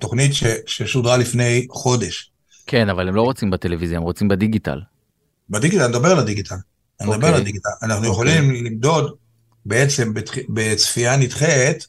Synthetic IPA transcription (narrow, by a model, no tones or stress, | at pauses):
to̞χnitʃeʃeʃudʁalifne̞jχo̞de̞ʃ | kʰenavalemlo̞ʁot͡simbatelevizjaemʁot͡simbediɡita̰l | bed̪iɡit̪alned̪abealadiɡit̪ʰal | nedaalad̪iɡitalanaχnujeχolimlimd̪o̞d̪ | beet͡se̞mbetχibet͡sfianitχelet̪